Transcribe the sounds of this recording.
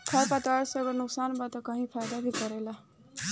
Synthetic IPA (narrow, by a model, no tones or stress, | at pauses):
kʰaɾpat̪asʌɡonuksanbat̪ʌkʌɦĩpʰajd̪abʱikʌɾela